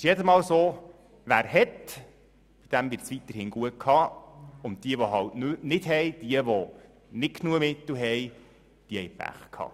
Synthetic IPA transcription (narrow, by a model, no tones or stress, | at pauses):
ɪʃjɛdəsmɑːwsoː | ʋæːɾhɛt | b̥id̥æmvɪɾt͡sʋit̪əɾhɪːnɡ̥uət̚kʰhɑːʊnt̚d̥̪iəʋoɦɑltnnɪd̥ɦɛjd̥iəʋo | nɪtknuəmɪt̪l̩ɦɛj | d̥iəhɛjpæ̰χkʰɑ̰ː